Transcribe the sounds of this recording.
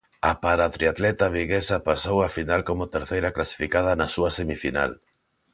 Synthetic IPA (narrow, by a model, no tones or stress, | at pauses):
ɐpaɾat̪ɾiat̪lɛt̪ɐβiɣesɐpasowafinalkomʊt̪eɾθejɾɐklasi̥fikaðɐnɐsuɐsemifina̰l